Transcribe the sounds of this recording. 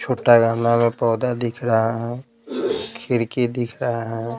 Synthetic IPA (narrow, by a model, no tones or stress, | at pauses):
t͡ʃʰoːʈaɡəmnamẽpɔːd̪ad̪ɪkʰɾəɦaɦɛ | kʰɪɾked̪ɪkʰɾəɦaɦɛ̃